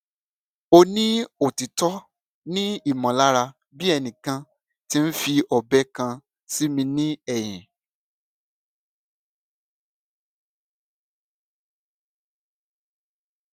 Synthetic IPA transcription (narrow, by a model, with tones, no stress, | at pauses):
o˧nĩ˦o˨ti˨tɔ˦ | nĩ˦i˦˨mɔ̃˨la˦ɾa˧ | bi˦ɛ˧nĩ˨kã˧ | ti˦n̩˦fi˧ɔ˨bɛ˦kã˧ | si˦mĩ˧nĩ˦ɛ˨j̃ɛ̃˨